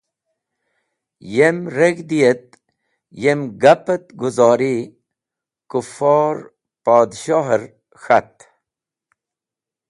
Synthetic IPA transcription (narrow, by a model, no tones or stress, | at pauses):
jemɾeɡd̪ijet̪̚ | jemɡapət̪ɡuzɑːɾi | kufɔːɾ | paːd̪ɕɔːɦəɾ | xat̪